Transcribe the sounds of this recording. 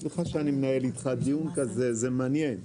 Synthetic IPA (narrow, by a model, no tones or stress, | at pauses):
leχaʃeanimenaelit̪χad̪ijunkazezemanjen